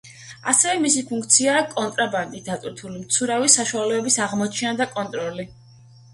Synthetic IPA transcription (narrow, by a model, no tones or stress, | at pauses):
a̰sɛvɛmisipʰũŋkʰt̪sʰiaːkʼɔnt̪ʼɾaband̪ʼid̪at̪ʼwiɾt̪ʰulimt̪sʰuɾavisaʃualɛɔbisaʁmɔt͡ʃʰɛnad̪akʼɔnt̪ʼɾɔli